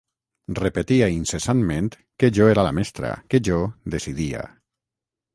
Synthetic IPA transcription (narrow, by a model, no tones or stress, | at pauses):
repet̪iainsesanmẽnt̪ | keʒoeɾalamest̪ɾa̰keʒod̪esiðia̰